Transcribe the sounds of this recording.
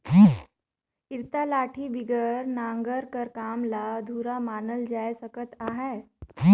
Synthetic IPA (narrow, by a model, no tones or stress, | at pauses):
ɦi | iɾt̪alaːʈʰibiɡəɾnãːŋɡəɾkəɾkaːmlad̪ʱuːɾamaːnəld͡ʒaːesəkət̪aːɦɛː